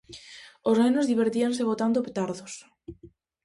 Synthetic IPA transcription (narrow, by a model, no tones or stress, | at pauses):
oznenozðiβ̞eɾt̪ianseɣot̪and̪opet̪aɾðos